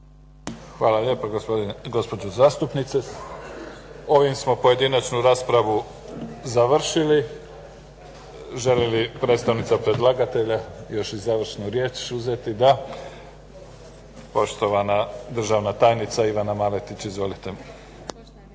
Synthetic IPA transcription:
xʋaːlaʎe̞ːpaɡɡo̞spod͡ʒozaːst̪upnit̪se | o̞ʋimsmo̞po̞je̞d̪inat͡ʃnuɾaːspɾaʋu | zaʋr̩ʃili | ʒe̞lelipɾe̞t̪st̪aʋnit̪sapɾe̞d̪lˠaɡat̪e̞ʎajo̞ʃizaʋr̩ʃnuɾje̞ːt͡ʃuzet̪id̪a | po̞ʃt̪o̞ʋanad̪r̩ʒaʋnat̪aːjnit̪saiʋanamale̞t̪it͡ɕizʋo̞lit̪e

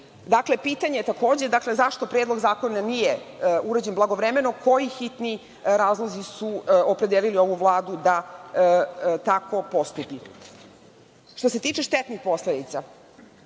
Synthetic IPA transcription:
d̪akle̞piːt̪aɲejet̪akoːd͡ʑe̞d̪akle̞zaʃt̪o̞pɾeːd̪lˠo̞ɡzaːko̞nanijeuɾad͡ʑenblˠaɡo̞ʋɾemenokʰo̞jixit̪ni | ɾaːzlˠozisuopɾed̪eːlilio̞ʋuʋlˠaːd̪ud̪a | t̪ako̞po̞st̪upi | ʃt̪o̞se̞t̪iːt͡ʃe̞ʃt̪et̪nixpo̞sled̪it̪sa

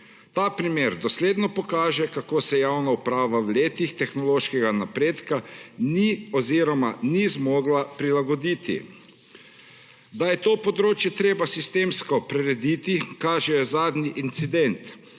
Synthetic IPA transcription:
t̪aːpɾimeːɾd̪ɔsleːd̪nɔpɔkaːʒɛkakoːsɛjaːwnaupɾaːʋawleːt̪ixt̪ɛxnɔloːʃkɛɡanapɾeːt̪kaniɔziɾɔmanizmoːɡlapɾilaɡɔd̪iːt̪ḭ | d̪ajɛt̪oːpɔd̪ɾoːt͡ʃjɛt̪ɾeːbasist̪eːmskɔpɾɛɾɛd̪it̪ikaːʒɛjɛzaːd̪niʔint̪sid̪ɛnt̪

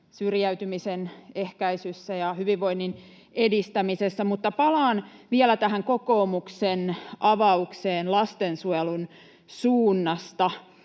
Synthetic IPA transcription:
syrjæyt̪ymisenehkæisysːæjɑhyʋiʋʋo̞inːin | edist̪æmisesːæmut̪ːɑpɑlɑːnʋielæt̪æɦæŋkokoːmuksenʔɑʋɑukseːnlɑst̪ensuelun | suːnːɑst̪ɑ

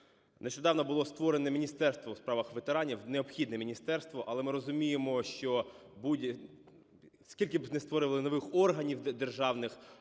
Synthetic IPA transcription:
neʃt͡ʃɔd̪ɑwnɔbʊlˠɔst̪ʋɔɾenɛmʲinʲist̪ɛrst̪ʋɔwspɾɑʋɐxʋet̪eɾɑnʲiwneɔpxʲid̪nɛmʲinʲist̪ɛrst̪ʋɔʔɐlˠɛmɪɾɔzʊmʲijemɔʃt͡ʃɔbudʲ | skʲilʲkɪbznɪst̪ʋɔɾɪʋɐlˠɪnɔʋɪxɔrɦɐnʲiwd̪erʒɑwnɪx

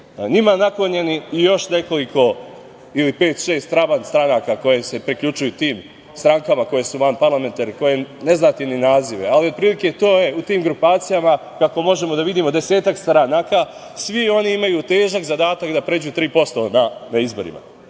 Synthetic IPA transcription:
ɲimanakloɲeniːjo̞ʃne̞ko̞liko̞ | ilipe̞ːt̪ʃe̞ːst̪ɾaʋanst̪ɾanaːkako̞je̞se̞pɾikʎut͡ʃujut̪iːm | st̪ɾaŋkamako̞je̞suʋanpaɾlˠame̞nt̪aɾiko̞je̞ne̞znat̪ininaːziʋealio̞t̪̚pɾiːlike̞t̪o̞ːje̞ut̪iːmɡɾupaːt̪sijama | kakomo̞ʒe̞mo̞d̪aʋid̪iːmo̞d̪e̞se̞ːt̪akst̪ɾanaːka | sʋio̞niimajut̪e̞ːʒakzad̪aːt̪akd̪apɾed͡ʑut̪ɾiːpo̞st̪o̞nanaizbo̞̰ɾḭma̰

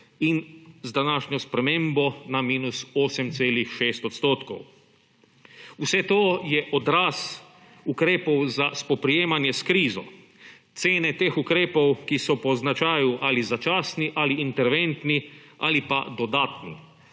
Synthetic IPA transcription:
inzd̪anaːʃɲɔspɾɛmẽmbɔnamiːnusoːsɛmt̪seːlixʃeːst̪ɔt̪st̪oːt̪kɔ̰w | usɛt̪oːjɛʔɔd̪ɾaːs | ukɾeːpɔwzaspɔpɾijeːmanjɛskɾiːzɔ̰ | t̪seːnɛt̪eːxukɾeːpɔwkisɔpɔznat͡ʃaːjuʔaːlizat͡ʃaːsniʔaliːnt̪ɛɾʋent̪nia̰lipad̪ɔd̪aːt̪nḭ

